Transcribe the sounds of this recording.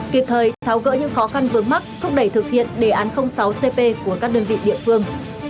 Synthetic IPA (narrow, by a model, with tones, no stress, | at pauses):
ki˨˩p̚t̪ʰəː˨˦jt̪ʰa˨˦wɣə̰ː˧˥ɲɨ̰˧˥ŋxɔ˨˦xa˧nvɨ˨˩əma˦˥k̚t̪ʰʊ˦˥k͡p̚ɗə˧˩jt̪ɨ˨˩k̚hḭ˧˨ənɗe˧˩ʔaː˨˦nxə˧wŋ͡msa˨˦wse˧pe˧ku˧˩əkaː˦˥k̚ɗəː˧nvḭ˧˨ɗḭ˧˨əfɨ˧əŋ